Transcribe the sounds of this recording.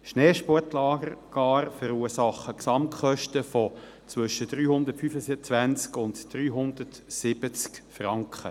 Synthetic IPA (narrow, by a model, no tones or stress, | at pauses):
ʃneːʃpɔtlɑːɡəɾɡ̥ɑːɾfəɾuːsɑχːəksɑmχœʃtəfɔ | t͡sʋɵʃəd̥ɾyːhʊnd̪ətfyfəsɪt͡sʋænt͡skʊntd̥ɾyːɦʊndətsɪbət͡skfrɑŋkχə